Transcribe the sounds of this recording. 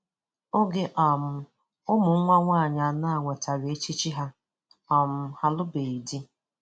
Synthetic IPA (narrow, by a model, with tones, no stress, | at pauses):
o˦ɡɪ˦ʔa˨m̩˨ | ʊ˦mʊ˨ŋ̩˦ŋʷa˦ŋʷa˦˨ɲa˨a˨na˦a˨ŋʷe˨ta˨ɾe˨˦e˦t͡ʃi˦t͡ʃi˦ɦa˦ | ɔ˨m̩˦ha˦lʊ˦be˨i˨di˦